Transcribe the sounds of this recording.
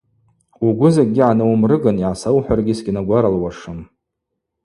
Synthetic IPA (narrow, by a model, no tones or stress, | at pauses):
uɡʷʊzak̚ʲɡʲiʕanɨwmrɨɡaniʕasawħʷᶣarɡʲɪsɡʲinaɡʷaɾalwaʂɨm